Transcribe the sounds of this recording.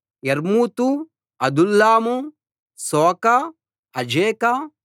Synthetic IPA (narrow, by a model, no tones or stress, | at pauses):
jɐɾmuːt̪u | ɐd̪ulːaːmu | sɔːkɐ | ɐd͡ʒeːkɐ